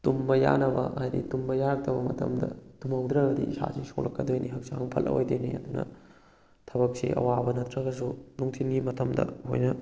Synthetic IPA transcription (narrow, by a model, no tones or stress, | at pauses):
tumbɐja̰nɐbɐ̰ʔajdḭtumbɐjaɾt̪ʰɐbɐmɐtʰɐmdɐtumɐwd̪ɾɐɡɐdiisa̰sisʰoklʔɐkːɐdojniɦɐk̚saŋpʰɐlʔɐ̰ojdojniɐd̪unɐ̰ | tʰɐbɐk̚sḭʔɐ̰wabɐnɐtʰɾɐɡɐs̬unuŋtʰinɡimɐtʰɐmdɐ̰ho̰jnɐ